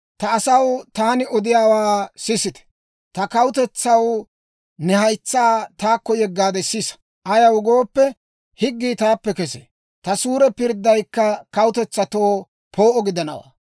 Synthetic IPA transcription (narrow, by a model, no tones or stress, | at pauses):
t̪ɐːsɐwt̪aːnɪɔd̪ɪjaːwaːsɪsɪt̪ɛ̥ | t̪ɐkɐwʊt̪ɛt͡sːɐw | nɛhɐjt͡sːaːt̪aːkːɔjɛɡːaːd̪ɛsɪsɐ̥ | ʔɐjɐwɡo̞ːpːɛ | hɪɡːiːt̪aːpːɛkɛsḛː | t̪ɐsuːɾɛpɪɾd̪ːɐjkːɐkɐwʊt̪ɛt͡sːɐt̪oː | pʰoːʔɔɡɪd̪ɐnɐ̰wa̰ː